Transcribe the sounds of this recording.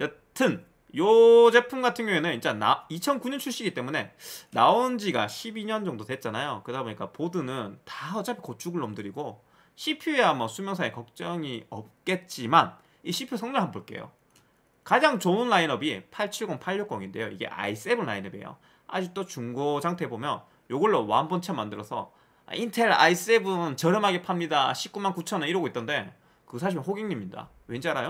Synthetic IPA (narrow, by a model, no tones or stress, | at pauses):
jʌ | tʰɯn | jod͡ʑe̞pʰumɡatʰɯŋɡjoenɯnint͡ɕ͈ana̰it͡ɕʰʌnkuɲʌnt͡ɕʰuɭɕ͈iɡit͈e̞mune̞naond͡ʑiɡa̰ɕʰibiɲʌnd͡ʑʌŋdodwe̞t̚t͡ɕ͈anajokɯdaboɲik͈apodɯnɯntaʌt͡ɕapʰi̥kot͡ɕʰuɡɯɭnʌmdɯɾiɡo | ɕʰipʰjueamʌsʰumjʌŋsʰaekʌk̚t͡ɕ͈ʌŋiʌ̰p̚k͈e̞t̚t͡ɕ͈iman | iɕʰipʰijosʰʌŋɲʌɭɦamboɭk͈e̞̰jo̰ | kad͡ʑaŋt͡ɕounːainʌbipʰaɭt͡ɕʰiɭɡonpʰaʎːok͈ʌŋinde̞̰jo̰iɡe̞̰ʔa̰is͈ɯebɯnlainʌbḛjo̰ | a̰d͡ʑik̚t͈ot͡ɕuŋɡod͡ʑaŋtʰe̞bomjʌn | joɡɯɭːowanbont͡ɕʰamːandɯɾʌsʰʌ̰ | a̰ʔintʰe̞ɾa̰is͈ɯebɯnt͡ɕʌɾɯmɦaɡepʰamɲidaɕʰip̚k͈umankut͡ɕʰʌnɯniɾɯɡoit͈ʌnde̞ | kɯsʰaɕ̬ʰimnɸoɡiŋɲimɲida̰ | we̞nd͡ʑiaɾajo